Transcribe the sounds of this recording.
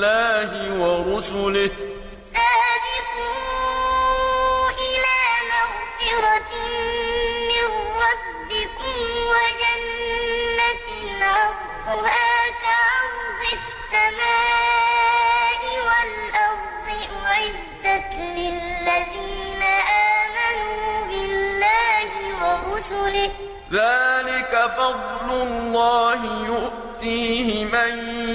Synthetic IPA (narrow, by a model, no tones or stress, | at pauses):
aːhɪwɑɾʊsʊlɪ | saːbɪtʊm | ʔɪlaːmaɣfɪɾɑ | mɪrːɑs | bɪkʊmmwad͡ʒanː | at | nʕɑs | ʊhaːkaʕaɾðˤɪ | sːamaː | ʔɪwal | ʔɑɾd̪ˤɨʔʊʕɪzːa | lɪllːaðiːnaʔaːmanuːbɪllːaːhɪwɑɾʊsʊlɪ | ðaːlɪkafɑd̪ˤlʊllːɑːhɪjʊʔ | t̪iːhɪman